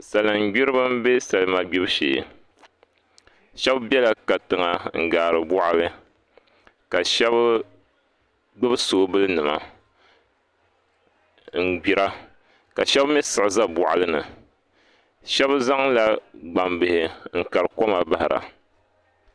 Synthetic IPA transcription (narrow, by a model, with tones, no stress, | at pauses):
sa˨lɨ˨ŋ˦ɡ͡bi˦ɾɨ˦bɨ˦m˦be˦sa˨lɨ˦ma˨ɡ͡bi˦bʃḛ˨ | ʃɛ˦bbjɛ˦la˨ka˨tɨ˨ŋa˨ŋ̩˨ɡaː˨ɾɨ˨bʊ˦ʔa˦lɨ˦ | ka˨ʃɛ˦bɨ˦ | ɡ͡bɨ˦bɨ˦so˨˦bɨ˦lɨ˦nɨ˨ma̰˨ | ŋ̩˨ɡ͡bi˨ɾa˦ | ka˨ʃɛ˦bmɛ˦sɨ˨ʔɨ˨za˦bʊ˨ʔa˨lɨ˦nɨ˨ | ʃɛ˦bza˦ŋla˦ɡ͡ba˨mbɨ˨hɪ˨ŋ̩˨ka˨ɾɨ˨ko˦ma˨ba˦hɪ˨ɾa̰˨